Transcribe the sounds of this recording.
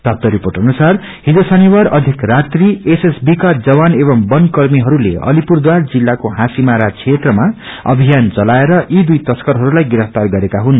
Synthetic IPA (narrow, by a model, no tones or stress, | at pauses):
t̪ap̚t̪ʌɾiporʈʌnusar | hid͡zosʌniwaɾʌd̪ʱikrat̪riesesbikad͡zʌwanebʌmbʌnkʌrmiɦʌɾulḛʌ̰lipurd̪ward͡zilːakoɦãsimaɾat͡sʰet̪rʌmaʌ̰bʱijant͡sʌlaeɾʌʔid̪ujt̪ʌskʌɾɦʌɾulajɡiɾʌft̪arɡʌɾekaɦun